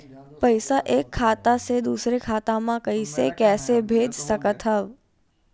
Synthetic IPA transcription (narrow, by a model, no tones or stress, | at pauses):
pəɪsaʔeːkʰːaːt̪ased̪uːsɾekʰaːt̪ãmãkəisekɛːsebʱeːd͡ʒsəkət̪ɦəʋ